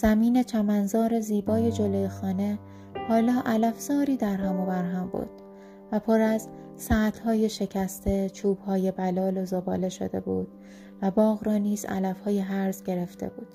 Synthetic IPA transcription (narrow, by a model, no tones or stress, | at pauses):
z̥æmiːne̞t͡ʃʰæmænzɒːɾe̞ziːbɒːje̞d͡ʒo̞lojexɒːne̞ | hɒːlɒːʔælæfz̥ɒːɾiːd̪æɾɦæmobæɾɦæmbṵːɾd̪̥̚ | væpʰoɾæz | sæːt̪ʰhɒːje̞ʃe̞cʰæst̪ʰe̞t͡ʃʰuːb̥hɒːje̞bælɒːlozobɒ̰ːle̞ʃo̞̰d̪e̞̰buːd̪̥̚ | væbɒːɣɾɒːniːzæ̰læfhɒːjeɦæɾzɟe̞ɾe̞ft̪e̞̰buːd̪̥